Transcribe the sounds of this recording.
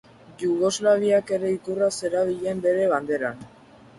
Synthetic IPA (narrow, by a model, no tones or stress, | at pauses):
ʝuɣo̞zlaβ̞iake̞ɾe̞ikurase̞ɾaβ̞iʎe̞mbe̞ɾe̞βand̪e̞ɾan